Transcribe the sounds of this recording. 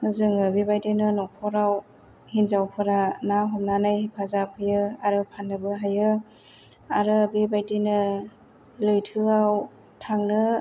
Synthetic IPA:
zɯŋɯbibajdinɯnɔpʰɔɾaw | hinzawpʰɯɾanaɦɔmnanajhipʰazapʰɯjɯaɾɯpʰanːɯbɯɦajɯ | aɾɯbibajdinɯ | lɯjtʰɯaw | tʰaŋnɯ

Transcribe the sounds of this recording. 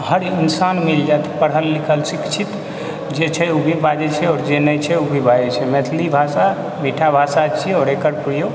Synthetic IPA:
həɾinsanmild͡ʒat̪i̥pəɽɦəlːikʰəlsikt͡ʃʰit̪ | d͡ʒet͡ʃʰɛubʱibad͡ʒɛt͡ʃʰɛɔɾd͡ʒenəjt͡ʃʰɛubʱibʱad͡ʒɛt͡ʃʰɛmet̪ʰlibʱasa | miʈʰabʱasat͡ʃʰɛɔːɾekəɾpɾijo

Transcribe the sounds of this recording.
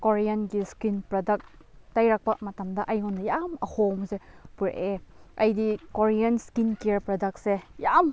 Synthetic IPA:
koɾijɐnɡiskinpɾodɐk̚ | tajɾak̚pɐmɐtɐmdɐʔɐjŋɔnːɐjamɐhomsepuɾeʔeɐjdikoɾijɐnskinkeɾpɾɔdɐk̚sejam

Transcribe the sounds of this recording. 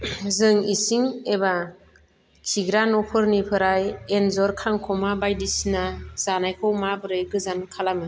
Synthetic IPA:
zɯŋisiŋeba | kʰiɡɾanɔpʰɯɾnipʰɯɾajenzɔɾkʰaŋkʰɔmabajdisinaz̥anajkʰɔwmabɯɾɯɡɯzankʰalamɯ

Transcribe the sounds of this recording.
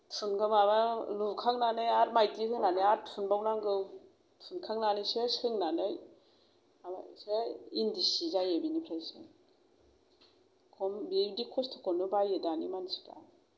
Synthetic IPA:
pʰunɡɯmamalukʰaŋnanɯjaɾmajtiɦʰɯŋnanɯjaɾpʰunbawnaŋɡɯ | pʰunkʰaŋnanɯjsesɯŋnanɯj | amaseindisizajebinipʰɾajsɯ̰ | kʰɔmbidikʰɔstʰɔ̥kʰɔnubajedanḭmansi̥ka̰j

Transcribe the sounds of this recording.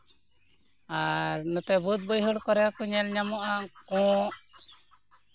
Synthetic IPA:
aɾnɔt̪ɛbut̪̚bɔjɦɔɽkɔɾɛakuɲɛlɲamɔʔakɔ̃ʔ

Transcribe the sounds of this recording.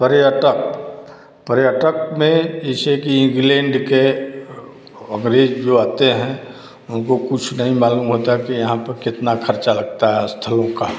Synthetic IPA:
pəɾəʈək̚ | pəɾjəʈək̚mẽɪsekiɪ̃ŋɡlẽɳɖke | ə̃ŋɡɾeːd͡ʒd͡ʒoaːt̪eɦɛ̃ | ʊnkokʊt͡ʃʰnəɦĩmaːluːmɦoːt̪aɦɛkijɐɦãpəɾkɪt̪nakʰəɾt͡ʃalɐɡ̚t̪aɦɛst̪ʰəlõka

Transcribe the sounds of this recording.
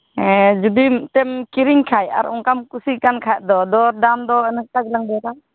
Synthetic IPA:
ɛd͡ʒud̪imt̪ɛmkiɾiŋkʰaja̰ɾɔ̰ŋkamkusikankʰajd̪ɔd̪ɔɾdamd̪ɔənək̚t̪aɡlaŋbɛk̪am

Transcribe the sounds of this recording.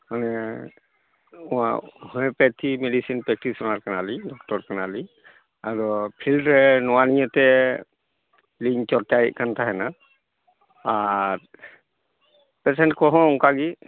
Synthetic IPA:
manɛ | ʊ̃ahɔɛpɛtʰimɛdisinpɹɛk̚tisɔnaɹkanalidɔk̚tɔɹkanali | aɹɔpʰildɹɛnɔwanijɛtɛ | liɲt͡ʃɔtajkantʰaɦɛna | aɹ | pɛsɛntkɔɦɔ̃ɔŋkaɡi

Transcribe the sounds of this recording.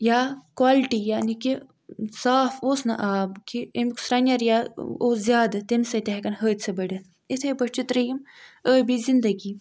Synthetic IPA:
jaːkwaːlʈijaːniki | saːfoːsnɐ̰ʔaːbkiemksɾɐnʲjɐɾjaːoːzjaːd̪ɨt̪emsɐt̪eɦɐkɐnɦəːt̪ʲt͡sʰɐbɐɽɐ | it̪ʰɐjbɐt͡ʃit̪ɾɐjiməːbizind̪ɐɡiː

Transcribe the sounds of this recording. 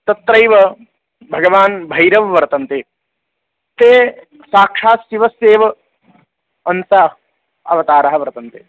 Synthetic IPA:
t̪ɐt̪ɾɐjʋɐ | bʱɐɡɐʋaːnbʱɐjɾɐʋʋɐɾt̪ɐnt̪eː | t̪eː | saːkʂaːsiʋɐseːʋɐ | ɐnsaː | ɐ̰ʋɐt̪aːɾɐɦɐʋɐɾɐt̪ɐnt̪eː

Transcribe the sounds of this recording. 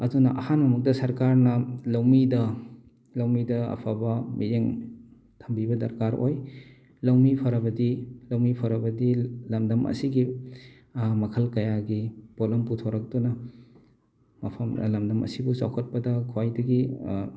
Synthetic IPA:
ɐdunɐ̰ʔɐhanmɐmuk̚dɐsɐɾkaɾnɐlawmidɐ | lɐwmidɐɐ̰pʰabɐmiɾeŋ | tʰɐmbibɐdɐ̰ɾkaɾoj | lɐwmipʰɐɾɐbɐdilɐwmipʰɐɾɐbɐdilɐmdɐmʔɐ̰siɡi | mɐkʰɐlkɐjaɡibolɐmputʰawɾɐk̚dunɐ | mɐpʰɐmlɐmdɐmɐ̰sibusa̰wkʰɐt̚pɐdɐkʰwajdɐɡi

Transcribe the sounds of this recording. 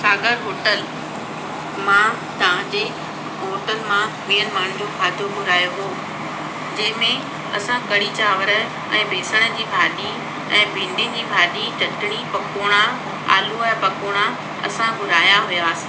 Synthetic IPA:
saːɡəɾɦoːʈəl | mã | t̪ɐʋ̤ãd͡ʑeː | ɦoːʈəlmã | meːəlmaːɽ̤̃ʊ̃d͡ʑoːbʱaːd̪ʱobʊɾaːjoɦoː | d͡ʑɐ̃ɦɪ̃mẽ | ɐ̰sãkɐɽit͡ɕaːʋəɾə̆ | ɛ̰̃ːbʱeːsəɽ̃ə̆d͡ʑiːbʱaːɗi | ɛ̃ːbʱɪ̃ɳɖɪ̃d͡ʑiːbʱaːɗit͡ɕɐʈɪɽ̃ipɐkoːɽ̃a | a̰ːluɛ̃pɐkoːɽ̃a | ɐ̰sãɡʊɾaːjãɦʊjaːsɪ̥

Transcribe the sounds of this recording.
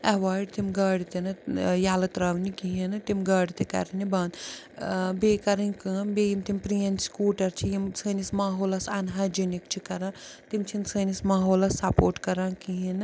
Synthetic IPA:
ɐʋaːɖt̪imɡɐːɽit̪enɐjaːlɐt̪ɾɐːʋnikiɦinɨt̪imɡɐːɽit̪ekɐ̰ɾinibaːnd̪ | beːkɐɾɐnʲkɨmbejimt̪impɾiɐnskuːʈɐɾt͡ʃʰijimsɐːnismaːɦoːlɐsɐnɦad͡ʒɐnikt͡ʃʰikɐɾãːt̪imt͡ʃʰinsɐːnismaːɦoːlɐsːɐpoːɾʈkɐɾãːkiɦinɨ

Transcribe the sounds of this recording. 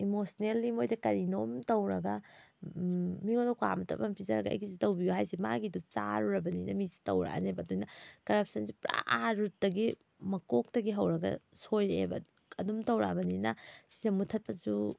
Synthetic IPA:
imosnelːimojdɐkɐɾinomtɐwɾɐɡɐ | miŋonɔkwa̰mtʰɐ̰pɐmpʰizɐɾɐɡɐɐ̰jɡizitɐwbijuɦajsimaɡidut͡ʃa̰ɾuɾɐbɐninɐmizi̥tɐ̰wɾa̰nebɐdujnɐkɐɾɐp̚sɐnsipɾa̰ʔaɾut̚dɐɡi | mɐkok̚tɐɡiɦɐwɾɐɡɐ̰sojḛbɐ̰ | ɐdumtɐwɾa̰bɐninɐ̰sizɐmutʰɐt̚pɐzu

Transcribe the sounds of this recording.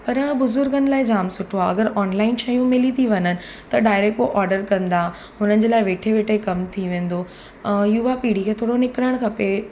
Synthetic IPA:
pɐɾbʊzʊɾɡʱənɪlaːɪd͡ʑaːmsʊʈʰoaɐɡəɾɔːnlaːɪnʃɐjũmɪlit̪ʰiʋɐɲənɪ̆ | t̪ɐɖaːɪɾekoʔɔːɾɖəɾkɐ̃nd̪a | ɦʊnənɪ̆d͡ʑeːlaːɪʋeːʈʰeʋeːʈʰeikɐmt̪ʰiʋẽːn̆d̪oː | juʋapiːɽ̤ikʰeːt̪ʰoːɽonɪkɪɾəɽ̃kʰɐpe

